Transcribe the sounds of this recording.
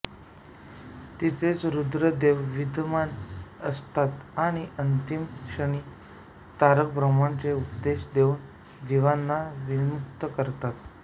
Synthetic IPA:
t̪it͡set͡sɾud̪ɾəd̪eʋʋid̪ʱmanəst̪at̪aɽ̃iʔənt̪imɕəɳ̃iː | t̪aɾək̚bɾəmaɳt͡seupd̪eɕd̪euːn | d̪iʋanːaʋimuk̚t̪əkəɾt̪at̪

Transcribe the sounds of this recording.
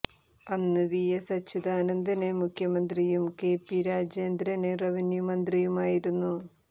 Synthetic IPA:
ɐnːɨʋijesɐt͡ɕʰːud̪aːnɐnd̪ɐnemukʰjɐmɐnd̪rijumke̞ːpːiɾaːd͡ʑjeːnd̪ɾɐne̞rɐʋinjɐmɐnd̪rijumaːjiɾunːu

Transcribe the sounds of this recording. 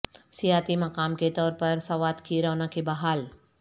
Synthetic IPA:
sijaːt̪imɐkaːmket̪ɔːɾpɐɾsɐʋaːd̪kʰiɾɔːnãkebɐɦaːl

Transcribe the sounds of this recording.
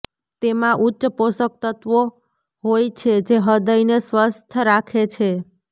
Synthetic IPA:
t̪emãʔutːʃəposək̚t̪ət̪ʋo | ɦojt͡ʃʰed͡ʒeɦəd̪əjnesʋəst̪ʰəɾakʰet͡ʃʰe

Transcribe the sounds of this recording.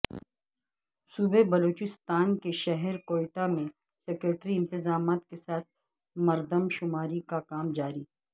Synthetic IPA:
suːbebɐloːt͡ʃɪst̪aːnkeʃɛɦɛɾkoːɪʈamẽ | seːkɾeːʈɾiɪ̃nt̪ɪzaːmaːt̪kesaːt̪̚ʰ | mɐɾd̪əmʃʊmaːɾikakaːmd͡ʒaːɾiː

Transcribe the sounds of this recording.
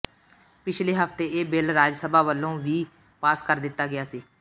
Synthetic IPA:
pɪt͡ʃʰleːɦəft̪eːeːbɪlɾaːd͡ʒsəbaːʋəlːõːʋiː | paːskəɾd̪ɪt̪ːaːɡɪjaːsiː

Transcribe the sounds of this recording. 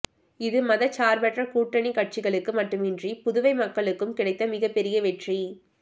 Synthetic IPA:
ɪðɯmɐðɐt͡ʃːaːɾbɛʈrɐkuːʈːɐɳikɐʈ̚t͡ʃɪɣɐɭɯkːɯmɐʈːɯmɪndripʊðʊʋɐɪmɐkːɐɭɯkːɯmkɪɽɐɪt̪ːɐmɪɣɐpɛɾɪjɐʋɛʈri

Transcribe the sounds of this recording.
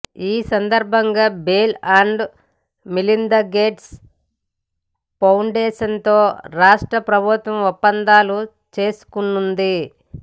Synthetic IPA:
iːsɐnd̪ɐɾbʱɐŋɡaːbeːlaːɳɖ | milind̪ɐɡe̞ːʈs | pɐwɳɖɛːʂɐnt̪o̞ːɾaːʂʈɾɐpɾɐbʱut̪ʋɐmɔpːɐnd̪aːlu | t͡ʃe̞ːsu̥kunːund̪i

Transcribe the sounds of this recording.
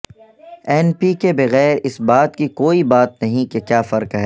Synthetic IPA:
ɛːnpikebɐɣɛːɾɪsbaːt̪kikoːibaːt̪̚nɐɦĩkekjaːfɐɾkɦɛː

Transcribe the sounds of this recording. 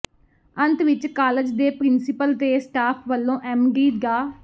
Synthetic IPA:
ə̃nt̪ʋɪt͡ʃkaːləd͡ʒd̪eːpɾɪnsɪpəlt̪eːsʈaːpʰʋəlːõːʔɛmɡiːt̪ɡaː

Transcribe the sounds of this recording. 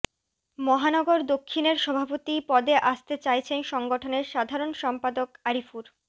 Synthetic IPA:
mɔɦanɔɡoɾd̪okʰːineɾʃɔbʱapot̪ipɔd̪eʔaʃt̪et͡ɕajt͡ɕʰenʃɔŋɡoʈʰoneɾʃad̪ʱaɾonʃɔmpad̪okaɾifuɾ

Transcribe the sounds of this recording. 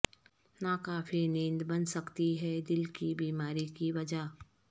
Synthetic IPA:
nakaːfʰinẽːnd̪bɐ̃nsɐkt̪iɦɛd̪ɪlkibiːmaːɾikiʋɐd͡ʒaː

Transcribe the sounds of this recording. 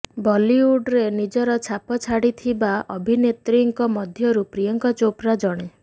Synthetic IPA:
bɔliuɖɾenid͡ʒɔɾɔt͡ʃʰapɔt͡ʃʰaɽit̪ʰibaʔɔbʱinet̪ɾiŋkɔmɔd̪ʱjɔɾupɾijɔŋkɔt͡ʃopɾad͡ʒɔɽ̃e

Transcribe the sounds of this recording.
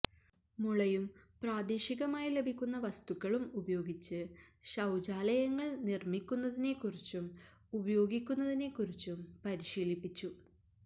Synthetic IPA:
muɭɐjumpraːd̪iːɕiɣɐmaːjile̞bʱikʲːunːɐʋɐst̪ukːɐɭumubɐjo̞ːɡit͡ɕːɨɕɐwd͡ʑaːlɐjɐŋːɐɭnirmikʲːunːɐðine̞kːurit͡ɕːum | ubɐjo̞ːɡikʲːunːɐðine̞kːurit͡ɕːumpɐɾiɕiːlipːit͡ɕːu

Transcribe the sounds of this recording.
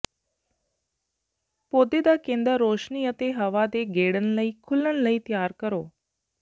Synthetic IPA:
pot̪ed̪akẽnd̪əɾoːʃniət̪eɦəʋad̪eɡeɽənləiːkʰʊlənləiːt̪jaːɾkəɾoː

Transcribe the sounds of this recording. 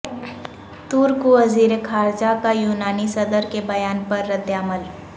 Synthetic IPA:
t̪uːɾkuʋəziːɾekʰaːɾd͡ʒakajuːnaːnisəd̪əɾkebɐjaːnpɐɾːəd̪jaːməl

